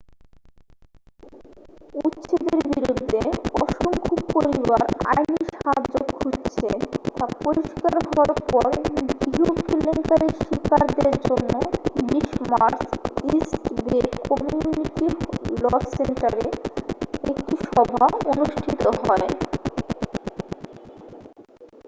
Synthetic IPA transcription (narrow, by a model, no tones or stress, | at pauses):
utːɕʰed̪eɾbiɾud̪ʱːeɔʃoŋkʰopoɾiβaɾa̰jniʃaɦad͡ʑoɡkʰutt͡ɕʰet̪apoɾiʃkaɾɦɔaɾpɔɾɡiɦokilːeŋkaɾeʃikaɾd̪eɾd͡ʑonːoliʃmaɾsisʈbekɔmjiuniʈilɔsenʈaɾe | ekʈiʃɔbʱaonuʃʈʰit̪oɦɔe